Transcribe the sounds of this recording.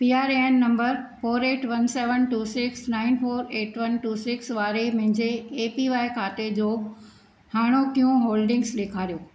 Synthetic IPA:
piːaːɾenːɐ̃mbəɾfoːɾeːʈʋɐnseːʋənʈuːsɪksnaːɪnfoːɾeːʈʋɐnʈuːsɪksʋaːɾemʊ̃ɦɪ̃ɲd͡ʑeːpiʋaːɪkʰaːt̪ed͡ʑoː | haːɽ̃okijũɦoːlɖɪ̃ŋɡsɗeːkʰaːɾijoː

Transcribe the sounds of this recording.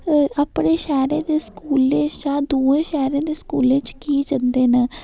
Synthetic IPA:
əpɽeːʃɛːɾẽːd̪eːskuːlẽːt͡ʃaːd̪uːẽːʃɛːɾẽːd̪eːskuːlẽːt͡ʃkiːd͡ʒənd̪eːnɛː

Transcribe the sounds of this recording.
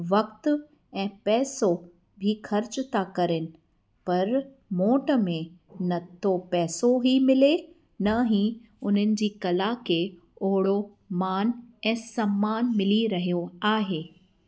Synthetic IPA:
ʋɐk̚t̪ | ɛ̃ːpɛːso | bʱixʰɐɾt͡ɕt̪akɐɾɪnɪ̆ | pɐɾ | moːʈəmẽnɐt̪ʰopɛːsoɦimɪle | nɐɦĩ | ʊn̤ənɪ̆d͡ʑiːkɐlakʰe | oːɽo | maːnɛ̃ːsɐmːaːnmɪliɾɐɦijoaːɦeː

